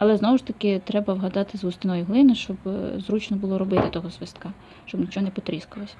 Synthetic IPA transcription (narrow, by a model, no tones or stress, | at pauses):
ɐlˠɛznɔʋʊʃt̪ɐkɪt̪ɾɛbɐʋɦɐd̪ɑt̪ɪzɦʊst̪ɪnɔjʊɦlˠɪnʊʃt͡ʃɔbzɾut͡ʃnɔbʊlˠɔɾɔbɪt̪ɪt̪ɔɦɔzʋɪst̪̚kɑ | ʃt͡ʃɔbnʲit͡ʃɔɦɔnɛpɔt̪ɾʲɪskʊlˠɔsʲɐ̥